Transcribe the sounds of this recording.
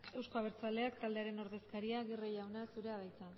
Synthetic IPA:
e̞wsko̞aβ̞e̞ɾt͡sale̞ak̚t̪ald̪e̞aɾe̞no̞ɾðe̞skaɾiaɣ̞irejawnasuɾe̞aðajt͡sa

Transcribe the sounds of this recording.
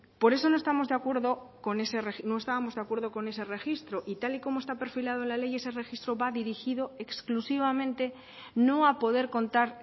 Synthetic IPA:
po̞ɾe̞s̬o̞noest̪amo̞zðeakwe̞ɾðo | ko̞ne̞serexnõest̪aβamo̞zðeakwe̞ɾðoko̞nese̞re̞xist̪ɾoʔit̪aliko̞moe̞st̪ape̞ɾfilað̞oenlale̞je̞sere̞xist̪ɾoβaðiɾixiðoeksklusiβ̞amẽ̞nt̪e | nõapo̞ðeɾkõ̞nt̪aɾ

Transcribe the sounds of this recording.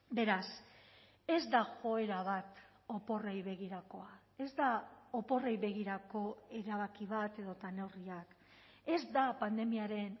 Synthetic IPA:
be̞ɾas | e̞zd̪axo̞e̞ɾaβ̞at̪ | o̞po̞rejβe̞ɣ̞iɾako̞a | e̞zd̪aopo̞rejβe̞ɣ̞iɾako̞e̞ɾaβ̞akiβ̞at̪e̞ðo̞t̪ane̞wriak | e̞zd̪apand̪e̞miaɾe̞n

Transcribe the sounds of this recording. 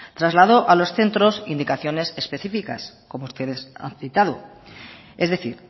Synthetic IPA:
t̪ɾazlaðo̞ʔalo̞sθe̞nt̪ɾo̞sind̪ikaθjo̞ne̞se̞spe̞θifika̰s | ko̞moust̪e̞ðe̞sa̰nθit̪aðo̰ | e̞zðe̞θḭɾ

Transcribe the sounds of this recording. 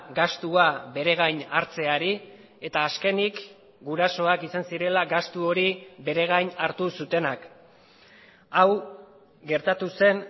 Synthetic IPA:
ɡast̪uaβe̞ɾe̞ɣ̞ajnaɾt͡se̞aɾi | e̞t̪aːske̞nik | ɡuɾaso̞akisansiɾe̞laɡast̪uo̞ɾiβe̞ɾe̞ɣajɲaɾt̪usut̪e̞nak | aw | ɡe̞ɾt̪at̪use̞n

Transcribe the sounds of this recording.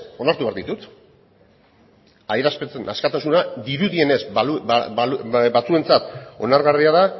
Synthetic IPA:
o̞naɾt̪uβeaɾðit̪ut̪ | ajɾaspet͡senʔa̰skat̪asunad̪iɾuðie̞ne̞zu | bat͡sue̞nt͡sat̪o̞naɾɣariaða

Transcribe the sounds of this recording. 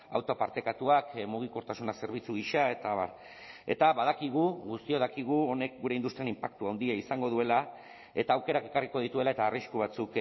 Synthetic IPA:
a̰wt̪opaɾt̪e̞kat̪uakmuɣ̞iko̞ɾt̪asunase̞ɾβ̞it͡suɣ̞iʃae̞t̪aβa̰ | e̞̰t̪aβað̞akiɣ̞uɣust̪ioðakiɣuo̞ne̞k̚ɡuɾe̞ind̪ust̪ɾianimpakt̪uawnd̪iaisaŋɡo̞ðue̞la | e̞t̪aːwke̞ɾake̞kariko̞ð̞it̪ue̞laet̪aːriskuβ̞at͡suk

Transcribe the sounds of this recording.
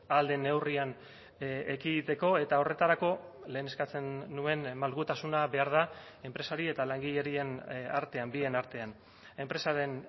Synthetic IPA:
ald̪e̞ne̞wrian | ekiðit̪e̞ko̞e̞t̪ao̞re̞t̪aɾako̞ | le̞ːne̞skat͡se̞nːue̞nmalɣut̪asunaβe̞aɾð̞a | e̞mpɾe̞saɾie̞t̪alaŋɡiʎe̞ɾie̞na̰ɾt̪e̞ambie̞naɾt̪e̞an | e̞mpɾe̞saɾe̞n

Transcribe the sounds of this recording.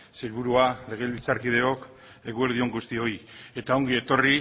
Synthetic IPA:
selβuɾuale̞ɣe̞lβilt͡saɾkið̞e̞o̞k | e̞ɣueɾð̞io̞ŋɡust̪io̞je̞t̪ao̞ŋɡie̞t̪o̞ri

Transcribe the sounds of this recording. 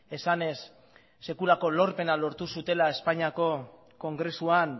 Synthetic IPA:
e̞sane̞sː | e̞kulako̞lo̞ɾpe̞nalo̞ɾt̪usut̪e̞lae̞spaɲiako̞ | ko̞ŋɡɾe̞suan

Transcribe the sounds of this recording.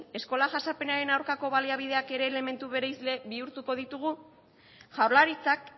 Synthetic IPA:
e̞sko̞laʝasape̞naɾe̞nawɾkako̞βaliaβið̞e̞ake̞ɾe̞ːle̞me̞nt̪uβe̞ɾejzle̞βiuɾt̪uko̞ð̞it̪uɣ̞u | ʝawɾlaɾit͡sak

